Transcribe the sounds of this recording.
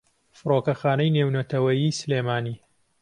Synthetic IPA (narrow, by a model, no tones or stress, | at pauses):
fɨroːkɐxaːnɐjnewnɐt̪ʰɐwɐjiːsɨleːmaːniː